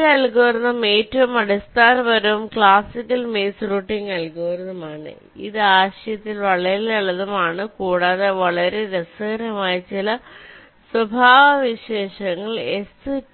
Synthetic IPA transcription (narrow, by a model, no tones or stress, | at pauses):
ɐlkuːɐrunːɐme̞ːtːɐʋumɐɽust̪aːnbɐɾɐʋumkɭaːsikːɐlmeːsruːʈːiŋɐlkuːɐrnɐmaːɳɨ̰ | ḭðɨaːɕɐjɐt̪ːilʋɐɭɐɾilɐɭːɐðumaːɳɨkuːɽaːðeʋɐɭɐɾe̞ɾesɐɣɐɾɐmaːjit͡ɕilɐ | swɐbʱaːʋɐʋiɕe̞ːʂɐŋːɐɭe̞sɨ